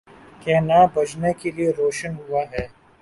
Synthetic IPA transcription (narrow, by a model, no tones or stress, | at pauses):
kɛːnabɐd͡ʒnekelieɾoːʃənɦuaɦɛː